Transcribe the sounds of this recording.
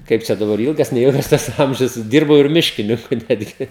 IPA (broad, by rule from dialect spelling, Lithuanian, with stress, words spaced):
ˈkɐɪp t͡ʃʲɛ dɐˈbɐr ˈɪlˠɡɐs nʲɛˈɪlˠɡɐs ˈtɐs ˈɐmʲʒʲʊs ˈdʲiːrbɐʊ ɪr ˈmʲɪʃʲkʲɪnʲɪŋkʊ ˈnʲæːdʲɡʲɪ